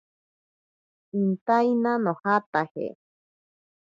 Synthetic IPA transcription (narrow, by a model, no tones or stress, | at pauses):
int̪ajnanõhat̪ahḛ